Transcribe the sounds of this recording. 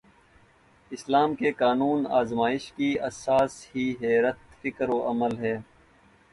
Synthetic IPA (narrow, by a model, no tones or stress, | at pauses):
ɪslaːmkekaːnuːna̰ːzmaːɪʃkiɐsaːshiːɦɛːɾət̪̚fɪkɾoːʔɐməlɦɛː